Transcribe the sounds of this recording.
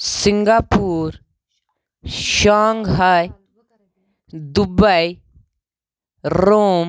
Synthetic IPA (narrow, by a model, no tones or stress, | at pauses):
siŋɡaːpuːɾ | ʃaːŋɡɦɐj | d̪ubɐj | ɾoːm